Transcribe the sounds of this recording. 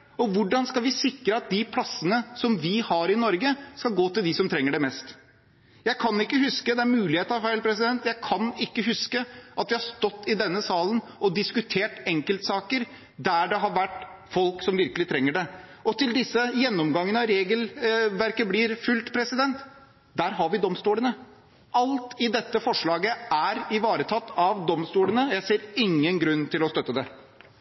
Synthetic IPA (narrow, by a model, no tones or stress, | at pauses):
ɔʋʊɖɑnskɑlʋɪsɪkːɾəɑt̪̚d̪ɪpʰlɑsːənəsɔmʋɪhɑɾɪnɔɾɡəskɑlɡoːt̪ɪld̪ɪsɔmt̪ʰɾɛŋːəɖɛmɛst̪ | jæɪkʰɑnɪkːəɦʉskəd̪ɛæɾmʉːlɪheːt̪əɑfæɪlpʰɾɛsɪd̪ɛnt̪jæɪkʰɑnɪkːəɦʉskəʔɑt̪ʋɪhɑʂt̪ɔt̪ːɪd̪ɛnːəsɑːlənʔɔd̪ɪskʉt̪ʰeːʈɛŋkəlt̪sɑːkəɾ | d̪æɖɛɦɑɾʋæʈːfɔlksɔmʋɪɾkəlɪt̪ʰɾɛŋːəɖɛ | ʔɔt̪ɪld̪ɪsːəjɛnːɔmɡɑŋːənəəɾeːɡəlʋæɾkəblɪɾfʉlt̪pʰɾɛsɪd̪ɛnt̪ | d̪æɾɦɑɾʋɪd̪ɔmst̪uːlənə | ʔɑlt̪ɪd̪ɛt̪ːəfɔʂɭɑːɡəæɾɪʋɑːɾət̪ʰɑt̪ːɑʋd̪ɔmst̪uːlənəjæɪseːɾɪŋːənɡɾʉnːt̪ʰɪlɔst̪œt̪ːəd̪ɛ